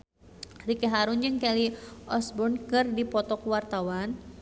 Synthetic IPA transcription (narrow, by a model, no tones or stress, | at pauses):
rikɛɦaɾund͡ʒɨŋkɛliʔɔsbɔnkɨrdipɔt̪ɔkwart̪awan